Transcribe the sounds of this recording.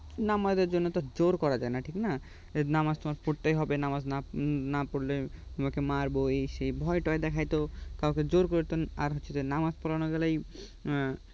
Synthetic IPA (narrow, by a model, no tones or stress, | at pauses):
namaeɾd͡ʑonːot̪od͡ʑoɾkɔɾad͡ʑaenaʈʰikna | namast̪omaɾpoɽt̪ejɦɔbenamaznanapoɽlet̪omakemaɾboeʃejbʱɔeʈɔed̪ɛkʰajt̪okawked͡ʑoɾkoɾit̪oaɾɦoit̪onamaspɔlanoɡɛlaj